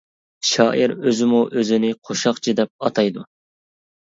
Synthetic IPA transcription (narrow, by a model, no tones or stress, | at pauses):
ʃɑːʔiɾøzɪmuʔøzɪnɪqʰoʃɑqt͡ʃʰɨd̪ɛp̚ɑt̪ʰɑjd̪u